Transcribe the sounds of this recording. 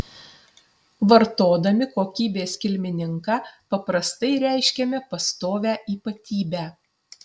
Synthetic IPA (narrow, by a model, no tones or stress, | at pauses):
ʋɐɾt̪oːd̪ɐmʲɪkoːkʲiːbʲeːsʲkʲɪlʲmʲɪnʲɪŋkɑpɐpɾɐst̪ɐɪɾʲæˑɪʃʲkʲɛmʲɛpɐst̪oːʋʲæːʔiːpɐt̪ʲiːbʲæː